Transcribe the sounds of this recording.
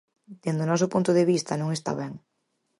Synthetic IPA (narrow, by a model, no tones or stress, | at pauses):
d̪end̪onɔsʊpunt̪ʊðeβist̪anõŋest̪a̰βɛŋ